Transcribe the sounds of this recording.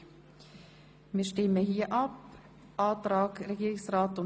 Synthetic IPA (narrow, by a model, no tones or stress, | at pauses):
miːʃtɪməhiːʔɑp | ʔɑːtɾɑːkɾɛɡiːɾɪksrɑːtʊn